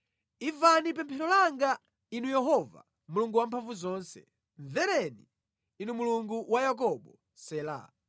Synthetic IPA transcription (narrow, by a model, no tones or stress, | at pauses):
ivanip̬ɛmpʰɛɾɔlaŋɡa | inujɛɦɔva̰ | muluŋɡuwampʰaɱvuzɔːnsɛ̰ | ɱvɛɾɛnḭː | numuluŋɡuwajak̬ɔɓɔ | sɛːla̰ː